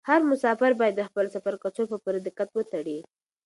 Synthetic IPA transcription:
haɾmʊsɑfɪɾbɑjad̪ːəxpəlosafaɾkat͡sopəpoɾad̪ɪqat̪wət̪aɽi

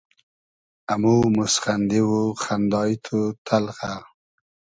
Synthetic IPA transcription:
amumʊsχand̪ɪwuxand̪ɑjt̪ʰut̪ʰalxa

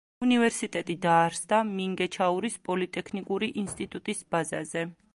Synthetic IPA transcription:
univɛɾsit̪ʼɛt̪ʼid̪aːɾsd̪amiŋɡɛt͡ʃʰauɾispʼɔlit̪ʼɛkʰnikʼuɾiʔinst̪ʼit̪ʼut̪ʼisbazazɛ

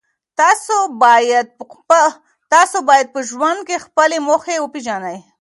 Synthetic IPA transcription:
t̪ɑsobɑjad̪̚ | t̪ɑsobɑjad̪̚pəʒwand̪̚kexpəlemoxewəpid͡ʒɑnaj

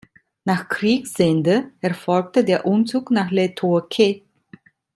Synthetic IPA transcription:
naːχkʁ̥iːksz̥ɛndəɛɐfɔlk̚tədeːɐʔʊmt͡suːknaːχletʰokʰe

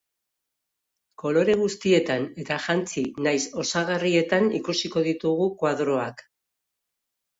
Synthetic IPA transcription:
ko̞lo̞ɾe̞ɣ̞ust̪ie̞t̪ane̞t̪aʝant͡sinajso̞saɣarie̞t̪anḭkusiko̞ðit̪uɣukwaðɾo̞ak

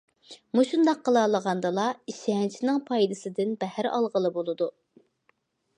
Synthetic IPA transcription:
muʃund̪ɑqʰːəlˠɑːlˠəʁɑnd̪ɨlˠɑiʃɪɦɛnt͡ʃʰinɪŋpʰɑjd̪ɨsɨd̪ɪnbɛhæɾɑ̰lˠʁəlˠɨbolˠɨd̪u

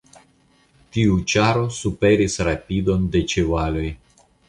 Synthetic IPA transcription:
tiut͡ʃaɾo̞supe̞ɾisɾapido̞nde̞t͡ʃevalo̞j

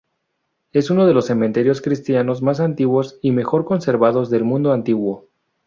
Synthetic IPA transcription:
e̞suno̞ðe̞lo̞sːement̪e̞ɾjo̞skɾist̪jano̞zmas̬ant̪iɣwo̞sime̞xo̞ɾko̞nse̞ɾβað̞o̞zðe̞lmũnd̪oant̪iɣwo̞

